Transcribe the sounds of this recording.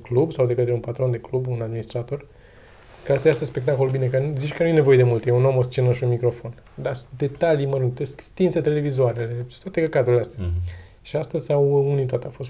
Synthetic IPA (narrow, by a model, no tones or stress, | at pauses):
klubsawd̪e̞kət̪ɾeunpat̪ɾo̞nd̪e̞klubunad̪minist̪ɾat̪o̞r | kaesəjasəspe̞k̚t̪akolubinekənzit͡ʃkənuje̞ne̞vo̞je̞d̪e̞mult̪jeuno̞most͡ʃenəʃunmikɾo̞fo̞n | d̪ad̪e̞t̪alijməɾuŋt̪eskst̪inset̪e̞le̞vizoaɾele̞t̪at̪ekəkad̪ɾuileast̪ea | ʃiast̪əzʲsawunit̪at̪eafo̞st̪